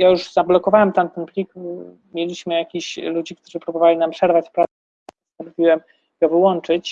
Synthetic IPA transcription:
jajuʐzablɔkɔvawɛmt̪amt̪ɛnpʲlʲik | mʲjelʲiɕmɘjakʲiɕlud͡ʑik̚t̪uʐɘpɾubɔvalʲinampʂɛɾvat͡ɕfpɾat̪sɛ | ppɔst̪anɔvʲiwɛm | ɡɔvɘwɔnt͡ʂɘt͡ɕ

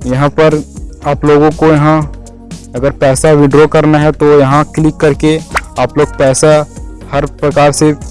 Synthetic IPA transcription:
jɐɦãpɐɾaːploːɡõkojɐɦã | ɐɡəɾpɛːsaʋɪɖɾokɐɾnaɦɛt̪ojɐɦãklɪkːɐɾkeaːploːɡ̚pɛːsahɐɾpɾɐkaːɾse

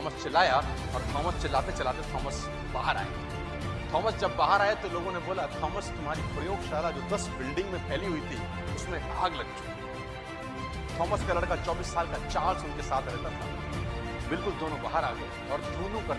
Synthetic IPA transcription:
t̪ʰɔːməst͡ʃɐlaːja | ɔːɾt̪ʰɔːməst͡ʃɐlaːt̪et͡ʃɐlaːt̪et̪ʰɔːməs | baːɦəɾa̰ːja̰ | t̪ʰɔːməsd͡ʒɐbːaːɦəɾaːjet̪oloːɡõneboːlat̪ʰɔːməst̪ʊmɦaːɾipɾɐjoːɡʃaːlad͡ʒoːd̪ɐsbɪlɖɪ̃ŋɡmẽpɛɦliɦʊit̪ʰi | ʊsmẽa̰ːɡlɐɡd͡ʒ | t̪ʰɔːməskalɐɽkat͡ʃɔːbiːsːaːlkat͡ʃãːɾsʊnkesaːt̪ʰɾɛɦt̪at̪ʰa̰ | bɪlkʊld̪oːnõbaːɦəɾaːɡlɐ | ɔːɾd̪oːnõkɐ

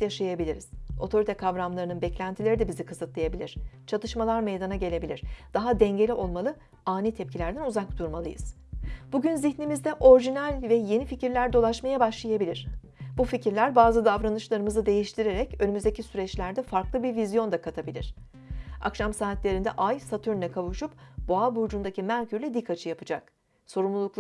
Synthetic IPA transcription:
jaʃajabilʲiɾiz̥o̞t̪ʰo̞ɾit̪ʰɛkʰavɾamlˠaɾɯnɯnbɛclʲænt̪ʰilʲe̞ɾid̪ɛbizikʰɯzɯt̪lˠajabilʲiɾ̥t͡ʃʰat̪ɯʃmalˠaɾmejd̪anaɟe̞lʲe̞bilʲiɾ̥d̪̥aɦad̪ɛɲɟe̞lʲiʔo̞lˠmalˠɯ | aːniːt̪ʰɛp̚cʰilʲæɾd̪ænuzak̚d̪̥uɾmalˠɯ̰jɯ̰z̥ | b̥uɟʲynziçnimizd̪ɛʔo̞ɾʒinælʲvɛje̞nificiɾlʲæɾd̪o̞lˠaʃmajabaʃlˠajabilʲiɾ̥ | buficiɾlʲæɾbaːzɯd̪avɾanɯʃlˠaɾɯmɯzɯd̪e̞jiʃt̪ʰiɾe̞ɾɛcønymyzd̪ecʰisyɾɛt͡ʃlʲæɾd̪ɛfaɾklˠɯbiɾvizjo̞nd̪akʰat̪ʰabilʲḭɾ̝̥ | a̰kʃamsaːt̪lʲe̞ɾind̪ɛʔajsat̪ʰyɾnʲɛkʰavuʃupb̥oabuɾd͡ʒund̪acʰimæɾcʰyɾlʲɛd̪ikʰːat͡ʃʰɯjapɯd͡ʒak̚ | so̞ɾumlˠulˠuk̪ˠ

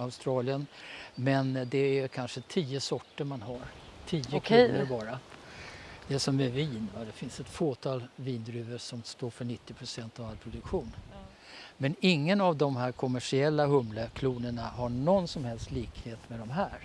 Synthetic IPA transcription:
aʊst̪ɾɑːlɪənmɛnd̪ɛækʰanʂət̪ʰiːəsɔʈːəɾmanɦaɾt̪ʰiːəkʰːnəɾbɑːɾa | d̪̥ɛʂɔmɛviːnvad̪ɛfɪnsɛt̪foːt̪ʰɑːlviːnd̪ɾʉ̟ːvəʂɔmst̪oːɾfœɳɪt̪ːɪpʰɾʊsɛnt̪avalpʰɾʊd̪ɵkɧuːn | mɛnɪŋːənavd̪ɔmɦæːɾkʰɔmæʂɪɛlːaɦɵmləkʰluːnəɳaɦaɳɔnsɔmhɛlst̪liːkheːt̪mɛd̪ɔmɦæːɾ

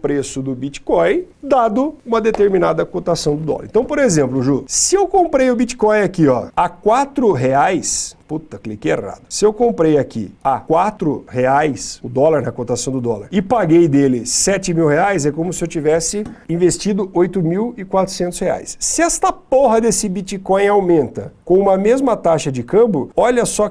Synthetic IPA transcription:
pɾesʊd̪ʊbit͡ʃi̥kõj̃d̪ad̪ʊũmɐd̪et̪eɾminad̪ɐkot̪asɐ̃w̃d̪ʊd̪ɔ̰lɐɾḛ̃t̪ɐ̃w̃poɾezẽmplʊʒusɪewkõmpɾejʊbit͡ʃi̥kɔ̃j̃akiɔ̰akwat̪ɾʊɦeajsput̪ɐklikejḛra̰d̪ʊsɪewkõmpɾejakḭakwat̪ɾʊ̰heajsʊd̪ɔlaɾnɐkõt̪asɐ̃w̃d̪ʊd̪ɔla̰ɾɪpaɡejd̪elɪsɛt͡ʃɪmiwheajzɛkõmʊsɪewt͡ʃivɛsɪĩvest͡ʃid̪ʊʔojt̪ʊmiwɪkwat̪ɾʊ̥sẽnt̪ʊshea̰jssɪɛst̪ɐpoɦɐd̪esɪbit͡ʃikõj̃awmẽnt̪ɐ̰kõũmɐmezmɐt̪aʃɐd͡ʒɪkɐ̃bʊɔʎɐsɔ

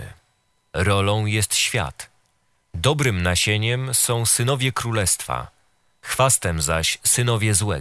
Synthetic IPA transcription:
ɾɔlɔ̃w̃jɛst̪ɕfʲja̰t̪ | d̪ɔbɾɘmnaɕeɲɛmsɔ̃w̃sɘnɔvʲjɛkɾulɛst̪fa̰ | xfast̪ɛmzaɕsɘnɔvʲjɛzwɛ

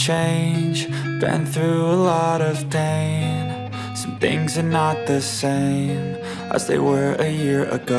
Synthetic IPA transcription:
t͡ʃʰẽɪ̃nd͡ʒb̥ɨ̰̃nθɹʉəlɔɾʌv̥dẽɪ̃m | sʌ̃mθɪ̰̃ŋzə˞nət̪̚ðɨsẽɪ̃m | ʔə̰zðeɪwə˞ɨjɪɹɨ̰ɡo

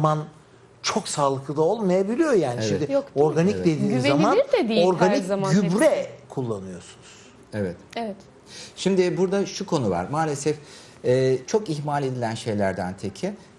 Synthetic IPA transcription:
man | t͡ʃʰo̞ksaːlˠɯk̪ˠɯd̪ˠaolˠmajabilʲijojaːniʃimd̪ɪjo̞ɾɡanicd̪e̞d̪iːnzamandoɾɡaniaɟybɾɛkʰulˠːanɯjo̞sunuz̥ | evɛt̪ɛvɛt̪ | ʃimd̪ɪbuɾd̪aʃukʰo̞nuva̰ɾmaːlʲesɛf | ɛːt͡ʃʰo̞kiçmalʲe̞d̪ilʲænʃe̞jlʲæɾd̪ænt̪ʰecʰɪ

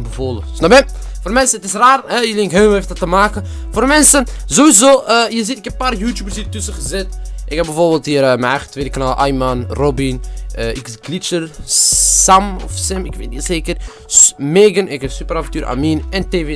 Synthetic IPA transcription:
bəvoːləsnɔbɛ | foːrmɛnsəətɪsraːrɦɛjəlɪŋkɦøːmeftdɔtːəmaːkə | foːrmɛnsənzoʋizoːʔəjəzitɪkɛp̚pːaːrjuːtjuːbərshiːrtəsəχəzɪtʔɪkhɛb̚ɛvoːrbɪːlˠthiːərəməɛjχətʋeːdəkənaːlʔajmanrobinəɪkɡlit͡ʃərsamɔ̰fsɪmɪkʋḛtiːseːkər | smeːɡənɪkɛsypəravəntyːɾʔa̰ːminɛnteːve

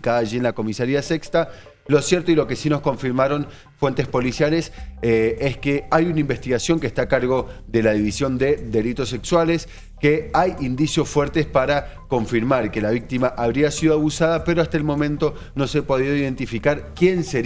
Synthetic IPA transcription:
kaðaːʒienlako̞misaɾiasekst̪a | lo̞sjeɾt̪oilo̞ke̞sino̞sko̞ɱfiɾmaɾo̞n | fwe̞nt̪espo̞lisjales | eskeajunaĩmbe̞st̪iɣasjo̞ŋkest̪akaɾɣo̞d̪e̞laðiβisjo̞nd̪eðe̞lit̪o̞se̞kswales | keajind̪isjo̞sfweɾt̪espaɾako̞ɱfiɾmaɾkelaβ̞ik̚t̪imaʔaβɾiasiðoaβusaðape̞ɾoast̪aelmõ̞mẽnt̪o̞ | no̞sepo̞ð̞iðoiðe̞nt̪ifikaɾkje̞nse

